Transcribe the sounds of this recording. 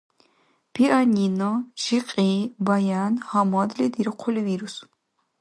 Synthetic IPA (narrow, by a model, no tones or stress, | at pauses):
pʰiʔaninɔʃiqʼiːbajaːnhamɔd̪lid̪iɾqʷʰɔliviɾus